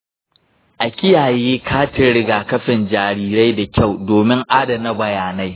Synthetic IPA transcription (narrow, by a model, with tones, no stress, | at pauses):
ʔa˨kʲɪ˦jaː˨jeː˦kʰaː˦tɪ˦ɽɪ˦ɡaː˨kɐ˦ɸɪ˨nd͡ʒaː˨ɾiː˦ɾa˦jda˨kʲa˦˨wdoː˨mɪ˦ŋʔaː˦dɐ˨nɐ˦bɐ˨jaː˨na˦j